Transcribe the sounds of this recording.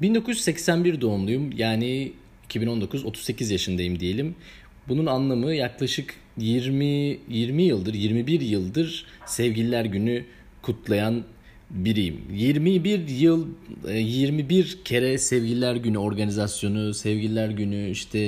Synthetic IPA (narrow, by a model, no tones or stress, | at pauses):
bind̪o̞kʰujyzɛcsænbiɾd̪o̞ːnlˠujumjaːni | icʰibino̞nd̪o̞kʰuzo̞t̪ʰu̥zse̞cʰizjaʃɯnd̪ajimd̪ije̞lʲim | bununanlˠamɯjaklˠaʃɯk | jiɾmijiɾmijɯlˠd̪ɯɾjiɾmibiɾjɯlˠd̪ɯɾ̥ | sɛvɟilʲilʲæɾɟyny | kʰut̪ʰlˠajan | biɾijḭmjiɾmibiɾjɯlˠjiɾmibiɾcʰe̞ɾɛsɛvɟilʲilʲæɾɟynyo̞ɾɡanizasjo̞nusɛvɟilʲilʲæɾɟynyiʃt̪ʰɛ